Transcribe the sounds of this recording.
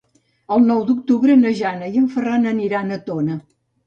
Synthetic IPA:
əlˠnɔwd̪uk̚t̪uβɾənəʒanəjəɱfəranəniɾanət̪onə

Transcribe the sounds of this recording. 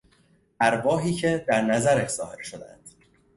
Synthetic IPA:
ʔæɾbɒːɦiːcʰe̞d̪æɾnæzæɾæʃz̥ɒːhe̞ɾʃod̪æ̰nd̪̥

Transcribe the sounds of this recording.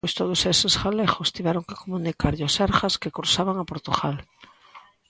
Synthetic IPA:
jst̪oðosesesxalexost̪iβaɾoŋke̥komũnikaɾʎoasaɾxaskekuɾsaβaŋapoɾt̪ṵɣal

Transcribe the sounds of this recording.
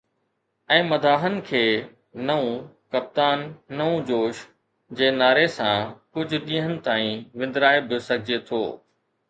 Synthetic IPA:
ɛ̃ːmɐd̪ʱaːɦənɪ̆kʰeː | nɐũkɐp̚t̪aːnːɐũd͡ʑoːʃ | d͡ʑeːnaːɾesãkʊd͡ʑʱʊ̆ɗ̪ĩːɦənɪ̆t̪aːĩʋɪ̃nd̪ɾaːebʱjosɐɡʱɪd͡ʑet̪ʰo̰ː

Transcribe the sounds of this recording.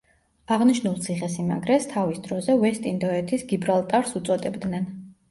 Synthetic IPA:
aʁniʃnulˠt̪sʰiχɛsima̰ɡɾɛst̪ʰavisd̪ɾɔzɛvɛst̪ʼind̪ɔɛt̪ʰisɡibɾalˠt̪ʼaɾsut̪sʼɔt̪ʼɛbd̪nɛn

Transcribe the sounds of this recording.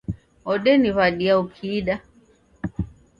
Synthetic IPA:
ɔɗɛniβaɗiaukʰiːɗa

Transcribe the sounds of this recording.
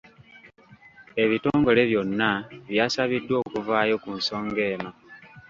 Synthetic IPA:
e̞βito̞ːŋɡo̞le̞βjo̞nːaβjaːsaβidːwo̞ːkuvaːjo̞kunso̞ːŋɡe̞ːma

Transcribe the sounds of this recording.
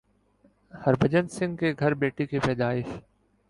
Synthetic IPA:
hɐɾbʱəd͡ʒənsɪ̃ŋɡkeɡʱɐɾbeːʈikepɛːd̪aːɪʃ

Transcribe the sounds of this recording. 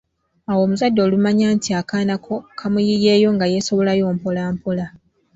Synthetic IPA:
awo̞ːmuzadːo̞ːlumaɲaːntiakanakokʰamujije̞ːjo̞ŋɡaje̞so̞βo̞lajo̞ːmpolaːmpola

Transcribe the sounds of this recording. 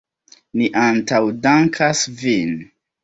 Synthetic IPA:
niʔantawdaŋkʰasvin

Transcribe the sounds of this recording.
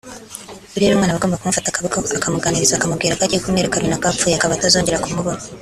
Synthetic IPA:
uɾeɾumŋaːnaβaɡombakumufatakaβuɡaakamuɡaniɾizakamuɡiːɾakaɟikumeɾekaɾinakap̪fujakaβaːtazo̞ːɲɟe̞ɾakumuβoɾo

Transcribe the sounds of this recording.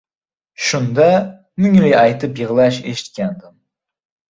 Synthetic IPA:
ʃund̪ɑ | myŋlijɑjt̪ɨpjəʁlˠɑʃeʃi̥t̪̚kʲænd̪ɪm

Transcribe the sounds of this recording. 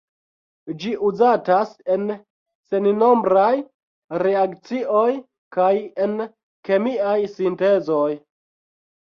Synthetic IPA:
d͡ʒiʔuzatase̞n | se̞nno̞mbɾaj | ɾe̞akt͡siʔo̞j | kaje̞n | ke̞miajsinte̞zo̞j

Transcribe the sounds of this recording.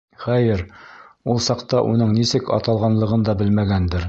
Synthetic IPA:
χæjɘɾulˠsɑqt̪ɑʔunɤɴnisɘkɑ̰t̪ɑlˠʁɑnlˠɤ̆ʁɤnd̪ɑbɘlmæɡænd̪ɘɾ

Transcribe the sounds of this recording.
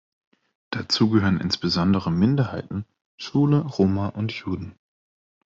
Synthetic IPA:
d̥at͡suːɡəɦøːʁənʔɪ̰nsb̥əzɔndəʁ̞əmɪndɐhaɪtn̩ | ʃuːləʁoːmaʔʊntʰjuːdn̩

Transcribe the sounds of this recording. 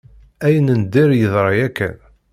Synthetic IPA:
æjənənd̪ɪɾjəðˤɾˤɑjækːæ̰n

